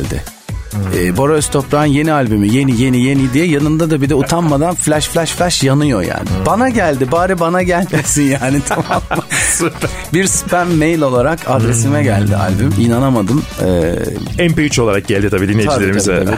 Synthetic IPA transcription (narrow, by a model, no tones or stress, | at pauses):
lʲd̪ɪ̰ | ɛːboɾøst̪ʰopɾanje̞nialʲbymije̞nije̞nije̞nid̪ijɛjanɯnd̪ad̪abid̪ɛut̪ʰanmad̪anflʲæʃflʲæʃflʲɛʃjanɯjoja̰ːnɪbanaɟælʲd̪ɪbaːɾibanaɟælʲmesinjaːnit̪ʰamamsp | biɾspʰænːejlʲo̞lˠaɾakʰad̪ɾesimɛɟælʲd̪ɪ̰ʔa̰lʲbyminanamad̪ɯmɛ̰ɛmpeyt͡ʃo̞lˠaɾak̚ɟ̥ælʲd̪it̪ʰabiːd̪inːejd͡ʒalʲeɾimizɛ